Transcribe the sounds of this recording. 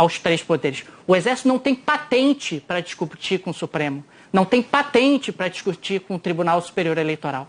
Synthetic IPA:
awst̪ɾejspod̪eɾɪsʊezɛɾsit̪ʊnɐ̃w̃t̪ẽj̃pat̪ẽnt͡ʃɪpɾɐd͡ʒiʃkupt͡ʃikõsupɾẽmʊ | nɐ̃w̃t̪ẽj̃pat̪ẽnt͡ʃɪpɾɐd͡ʒiskut͡ʃikõʊt̪ɾibunawsu̥peɾioɾelejt̪oɾaw

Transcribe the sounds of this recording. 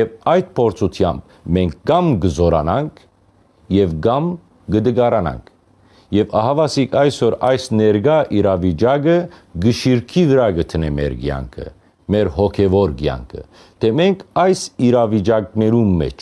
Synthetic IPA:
jɛvɑjd̪̚pʰɔɾt͡sʰut̪ʰjɑ̰mb̚ | mɛŋkʰɡɑmɡəzɔɾɑ̰nɑŋkʰ | jɛvɡɑm | ɡəd̪əɡɑɾɑnɑ̰ŋkʰ | jɛvɑɦɑvɑsikʰɑjsɔɾɑjsnɛɾɡɑʔiɾɑvit͡ʃɑɡəɡəʃiɾkʰivəɾɑɡət̪ʰənɛmɛ̰ɾɡjɑ̰ŋkʰə̰ | mɛɾɦɔkʰɛvɔɾɡjɑ̰ŋkʰə̰ | t̪ʰɛmɛŋkʰɑjsiɾɑvid͡ʒɑknɛɾumːɛ̰t͡ʃʰ

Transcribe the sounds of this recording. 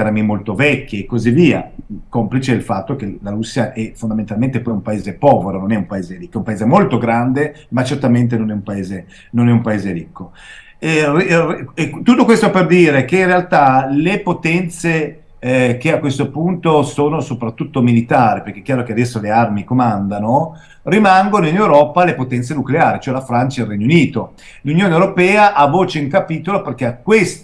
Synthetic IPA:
armimolt̪ovɛkʲːeːkːoziviːa̰komplit͡ʃed̪elfat̪ːok̟elaɾusːjaʔɛfond̪ament̪alment̪epɔjumpaeːzepɔːveɾononɛumpaeːzeɾikːɛumpaeːzemolt̪oɡɾand̪e | mat͡ʃert̪ament̪̬enonɛumpaeːze | nonɛumpaeːzeɾikːo | rrt̪ːut̪ːokwest̪operd̪iːɾekeinrealt̪alepot̪ɛnt̪se | k̟eakwest̪opunt̪osoːnosopɾat̪ːut̪ːomilit̪aːɾipeɾrk̟eɛkːjaːɾokead̪ɛsːolearmikomand̪ano | rimaŋɡonoinewɾɔːpalepot̪ɛnt̪senukleaːɾit͡ʃoɛlafɾant͡ʃailrːɛɲːouniːt̪o | lunjoːnewɾopɛːaʔavːoːt͡ʃeiŋkapiːt̪oloperk̟eakːwest̪

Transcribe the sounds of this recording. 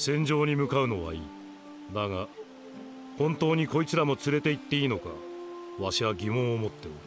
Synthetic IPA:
sẽ̞ɲ̟d͡ʑo̞ːɲ̟imɯ̟kaɯ̟no̞βa̰iː | naɡa | hõ̞nt̪o̞ːɲ̟iko̞it͡sɨɾamo̞t͡sɨɾe̞t̪e̞it̪ːe̞iːno̞ka̰βaɕiβaɡʲimõ̞ɰ̃omo̞t̪ːe̞ɯ

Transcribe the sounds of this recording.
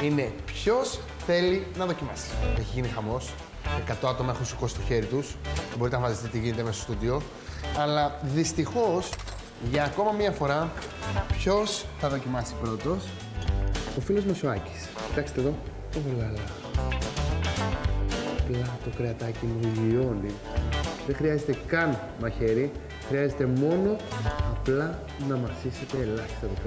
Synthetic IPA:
ine̞pço̞s | θe̞linɐðo̞cimɐsi̥eçizʝinixɐmo̞s | ekɐt̪o̞ɐt̪o̞mɐexunsikosi̥st̪o̞çe̞ɾit̪usbo̞ɾit̪enɐvɐsist̪it̪iʝinet̪emesost̪ud̪io̞ | ɐlɐðist̪ixo̞s | ʝɐːko̞mɐmiɐfo̞ɾɐ | pço̞sθɐðo̞cimɐsi̥pɾo̞t̪o̞s | ofilo̞zmɐsoɐci̥sci̥t̪ɐkse̥t̪eðo̞ | olɐlɐ | ɐplɐt̪o̞kɾeɐt̪ɐcimulio̞ni | ðe̞xɾiɐze̞t̪e̞kɐn | mɐçe̞ɾi | xɾiɐze̞t̪e̞mo̞no̞ɐplɐ | nɐmɐsise̞t̪e̞ːlɐçi̥st̪ɐt̪op

